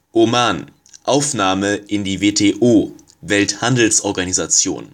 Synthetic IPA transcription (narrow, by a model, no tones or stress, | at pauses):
ʔomaːn | ʔaʊfnaːməʔɪndiːveːtʰeːʔoː | vɛlthandl̩sʔɔɐɡanizat͡sjo̰ːn